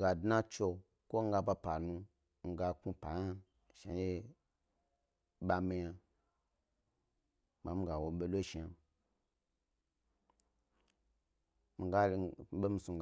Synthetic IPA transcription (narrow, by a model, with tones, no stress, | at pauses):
ɡa˨dna˦t͡ʃo˧ | ko˦ŋ̩˦ɡa˧ba˧pa˨nũ˧ | ŋ̩˦˧ɡa˧ku˦pa˨ja˦ | ʃa̰˨je˦ | ɓa˧mi˧ja˧ | ma˨˦mi˦ɡa˨wo˨ɓe˧lo˦ʃi˨a˧ | mi˧ɡa˦ɓe˦m̩˧su˧ŋ̩ɡ